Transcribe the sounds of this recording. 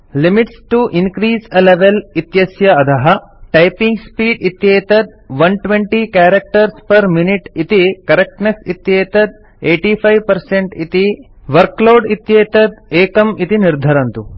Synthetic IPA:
limiʈsʈuʔinkɾiːsɐleʋelit̪jɐsjɐɐt̪ɐɦɐ | ʈɐjpĩŋɡspiːɖit̪jeːt̪ɐd̪̚ʋɐnʈʋẽɳʈikaːɾɐk̚ʈɐɾspɐɾminiʈit̪ikɐɾek̚ʈneksit̪jeːt̪ɐd̪̚ | eːʈipʰɐjʋpɐɾseɳʈit̪i | ʋɐɾkloːɖit̪jeːt̪ɐd̪̚eːkɐmit̪iniɾd̪ʱɐɾɐnt̪u

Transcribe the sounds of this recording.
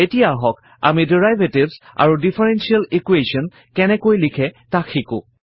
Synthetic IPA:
etijaɦɔk | a̰midiɹajvʱetibza̰ɹudipʰɛɹɛnsialikwesɔn | kɛnɛkojlikʰɛtakʰːikʊ̰

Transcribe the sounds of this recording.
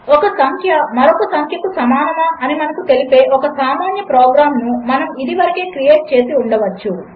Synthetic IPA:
ɔkɐsɐŋkʰjɐmɐɾɔkɐsɐŋkʰjɐkusɐmaːnɐmaːʔɐnimɐnɐkut̪e̞lipe̞ːʔɔkɐsaːmaːnjɐpɾoːɡɾaːmnumɐnɐmid̪iʋɐɾɐke̞ːkɾije̞ːʈ̚t͡ʃe̞ːsiuɳɖɐʋɐt͡ʃːu

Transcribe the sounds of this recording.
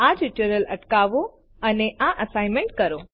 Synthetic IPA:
ad͡ʒuʈuɾələʈkaʋo | əneʔaʔəsajmẽɳʈkəɾo

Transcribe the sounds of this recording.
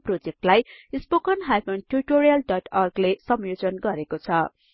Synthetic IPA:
prod͡zek̚ʈlajispokʌnɦajkʌnʈuriʈoɾijʌlɖʌʈʰʌrɡlesʌmjod͡zʌnɡʌɾekot͡sʰʌ

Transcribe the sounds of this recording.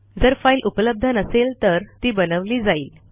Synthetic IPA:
d͡zəɾfailʔupələb̚d̪ʱənəselt̪əɾt̪iːbənəʋliːd͡zaiːl

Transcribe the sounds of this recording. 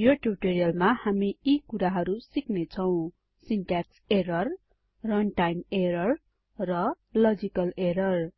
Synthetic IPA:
joʈuʈoɾijʌlmahamiikuɾaɦʌɾusiknet͡sʰʌw̃ | sinʈakseɾʌr | rʌnʈajmeɾʌr | rʌlʌd͡zikʌleɾʌr

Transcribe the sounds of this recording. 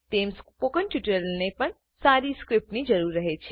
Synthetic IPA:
t̪emspokənʈjuʈəɾəlnepəɳ | saɾiskɾɪp̚ʈnid͡ʒəɾuɾːəɦet͡ʃʰe

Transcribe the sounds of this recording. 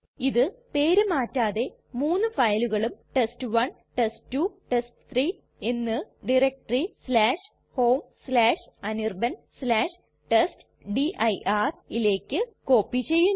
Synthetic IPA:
iðɨpe̞ːɾumaːtːaːðe̞ | muːnːɨfɐjluɣɐɭumʈestɨʋɐn | ʈestːuʈestɨ̥t̪ʰriː | e̞nːɨɖirek̚ʈrislaːʂ | ho̞ːmslaːʂɐnirbɐnslaːʂ | ʈest | ɖiʔɐjʔaːrile̞ːkʲːɨko̞ːpːit͡ɕe̞jːu

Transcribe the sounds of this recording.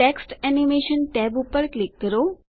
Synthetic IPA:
eksʈɛnimeʃənʈɛbupəɾklikːəɾo

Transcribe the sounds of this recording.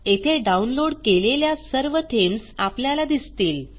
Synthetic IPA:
et̪ʰeɖaunloɽkeleljasəɾʋəʈʰemsapljalad̪ist̪iːl

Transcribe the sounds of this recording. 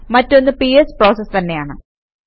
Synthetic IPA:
mɐtːo̞nːɨpijespro̞ːsɐst̪ɐnːe̞jaːɳɨ̰

